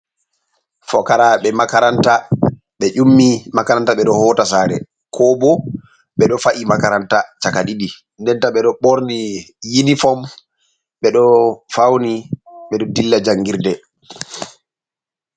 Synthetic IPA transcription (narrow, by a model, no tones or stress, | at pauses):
fɔkaɾaɓɛmakaɾanta | ɓɛʔumːimakaɾantaɓɛɗɔhɔːtasaːɾɛ̰ | kʰɔbɔ | ɓɛɗɔfaʔimakaɾantat͡ʃakaɗiɗi | ndɛntaɓɛɗɔɓɔɾnijinifɔm | ɓɛɗɔfawniɓɛɗɔdilːad͡ʒaŋɡiɾdɛ